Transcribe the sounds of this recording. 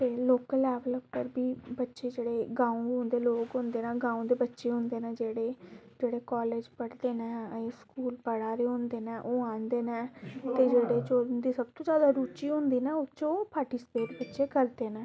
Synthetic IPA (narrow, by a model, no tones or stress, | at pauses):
t̪eːloːkəlɛːʋləbkəɾbiːbətːʃeːd͡ʒeːɽeːɡãːũɦʊ̃nd̪eːloːkɦʊnd̪eːnãːɡãːũd̪eːbətːʃeːɦʊ̃nd̪eːnɛ̃ːd͡ʒeːɽeːd͡ʒeːɽeːkɔːleːd͡ʒpəɽd̪eːnɛːeskuːlpəɽaːɾeːɦʊ̃nd̪eːnɛːʔoːãːnd̪eːnɛːt̪eːd͡ʒeːɽeːt͡ʃod̪iːsəb̚t̪õːd͡ʒjaːd̪aːɾuːt͡ʃiːɦʊ̃nd̪iːnɛ̃ːʊt͡ʃoːpaːɾʈiːsɪ̥peːʈbətːʃeːkəɾd̪eːnɛ̃ː